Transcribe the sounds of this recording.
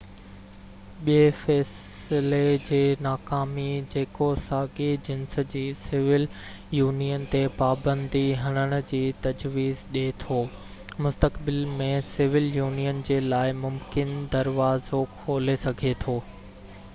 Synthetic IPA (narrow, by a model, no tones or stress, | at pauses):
ɓiefɛːsɪled͡ʑeːnaːkaːmid͡ʑeːkosaːɡed͡ʑɪnsə̆d͡ʑiːsɪʋɪl | juːnijənt̪epaːbə̃nd̪iɦɐɽ̃əɽ̃̆d͡ʑiːt̪ɐd͡ʑʋiːzɗet̪ʰoː | mʊst̪əkbɪlmẽsɪʋɪljuːnijənd͡ʑeːlaːɪmʊmkɪnd̪ɐɾʋaːzokʰoːlesɐɡʱet̪ʰoː